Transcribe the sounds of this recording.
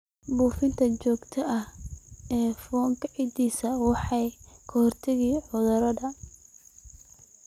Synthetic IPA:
buːfɪnt̪ʰɐt͡ʃɔːɡt̪ʰɐʔɐhɛːfɔːŋkʰɐʕid̪iːsɐwɑħɑjkʰɔhɔrt̪ʰɪɣiːʕʊðʊɾɐðɐ

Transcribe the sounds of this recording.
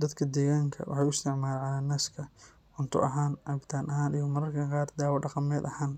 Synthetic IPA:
d̪ɐd̪kʰɐd̪ɛːɣaːŋkʰɐ̰wʔɑ̰ħɑjʊst̪ʰɛʕmaːlɛʕlaːnaːskʰɐ | ʊnt̪ʰʊ̰ʔɐɦaːnʕɑbɪt̪ʰaːnʔɐɦaːnijɐmɐɾɐrkʰɐqɑːrd̪aːwɐɖɑqɑmɛːd̪ɐhaːn

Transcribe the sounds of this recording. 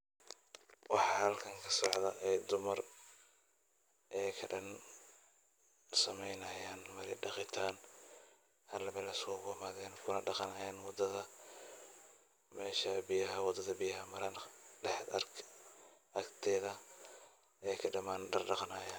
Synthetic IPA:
wɑħɑhɐlkʰɐŋkʰɐ̥sɔʕd̪ɐʔɛjd̪ʊmɐr | ʔɛjkʰɐɖɐn | sɐmɛjnɐjaːnmɐɾɪɖɑqɪt̪ʰaːn | hɐlɐmɛlɐsɔːɣʊmaːðɛːnkʰʊnɐɖɑqɑnɐjaːnwɑd̪ɐðɐ | mɛːʃɐbɪjɐɦɐwɑd̪ɐðɐbɪjɐɦɐmɐɾɐnlɛħɐ̰rkʰ | ʔɐkt̪ʰɛːðɐ | ɛkʰɐɖɐmaːnɖɐrɖɑqnaːjaːn

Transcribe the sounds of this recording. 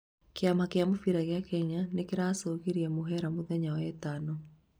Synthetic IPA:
keamakeamofiɾaɣeakɛɲanekeɾaːsoɣeɾiɛmoɦɛɾamoðɛɲawɛtanɔ

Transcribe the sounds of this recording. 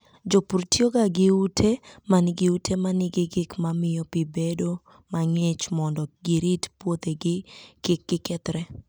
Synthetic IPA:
d͡ʒopuɾtjoɡaɡɪutʰemanɪɡɪutʰemanɪɡɪɡɪkmamɪjɔpɪbedo | maŋet͡ʃmɔndɔɡɪɾitpwot̪eɡɪkɪkːɪkɛt̪ɾɛ

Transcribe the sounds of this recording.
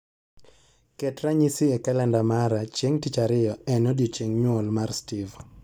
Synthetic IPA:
kɛtɾaɲisɪɛkalɛndamaɾat͡ʃjeŋtit͡ʃaɾɪjɔɛnɔdjot͡ʃeŋɲwɔlmarstɪv

